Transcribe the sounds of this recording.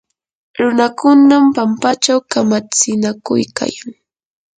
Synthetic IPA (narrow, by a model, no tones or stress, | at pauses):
ɾʊnakʊnampampat͡ʃawkamat͡sɪnakʊ̰jka̰jaŋ